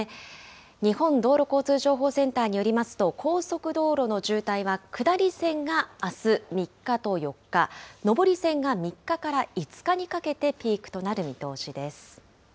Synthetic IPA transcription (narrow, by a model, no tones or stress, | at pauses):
ɲ̟ihõ̞nd̪o̞ːɾo̞ko̞ːt͡sɨːʑo̞ːɦo̞ːsẽ̞nt̪aːɲ̟ijo̞ɾʲimasɨ̥t̪o̞kʰo̞ːso̞kɯ̟d̪o̞ːɾo̞no̞ʑɨːt̪aiβakɯ̟d̪aɾʲisẽ̞ŋɡaːsɨmʲikːat̪o̞jo̞kːano̞bo̞ɾʲisẽ̞ŋɡamʲikːakaɾait͡sɨ̥kaɲ̟ikake̞t̪e̞pʲiːkɯ̟̥t̪o̞naɾɯ̟mʲit̪o̞ːɕid̪e̞sɨ̥